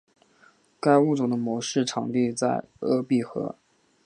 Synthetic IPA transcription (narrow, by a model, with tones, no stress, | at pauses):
ka˥ɪu˥˩ʈ͡ʂʊ˨˩ŋd̪ə˦mwɔ˧˥ʂɻ̩˥˩ʈ͡ʂʰɑ˨˩ŋt̪i˥˧t͡sa˥˩ɪɤ̰˥pi˥˩xɤ̰˧˥